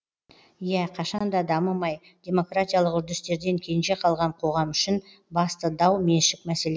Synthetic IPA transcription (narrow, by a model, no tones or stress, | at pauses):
jæqʰɑʃɑnd̪ɑd̪ɑməmɑj | d̪̥ʲe̞mo̞krat̪ʲijalˠəqʏɾd̪ɪst̪e̞ɾd̪e̞ŋkʲʰe̞nʒe̞qʰɑlˠʁɑɴqʰo̞ʁɑmʏʃɪn | bɑst̪əd̪ɑwme̞nʃɪk̚mæse̞le